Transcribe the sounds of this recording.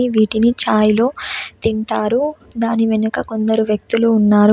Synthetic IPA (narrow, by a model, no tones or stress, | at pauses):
iʋiːʈinit͡ʃaːjlo̞ːt̪iɳʈaːɾud̪aːniʋenukɐko̞nd̪ɐɾuʋjɐk̚t̪uluːnːaːɾu